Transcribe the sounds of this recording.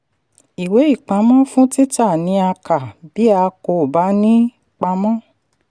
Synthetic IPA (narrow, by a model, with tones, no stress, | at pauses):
i˨we˨˦i˦˨k͡pa˨˧˦mɔ̃˦fũ˦ti˦ta˦˨nĩ˨˦a˧ka˨bi˨˦a˧ko˧˨ba˨˦nĩ˦ | k͡pa˧˦mɔ̃˦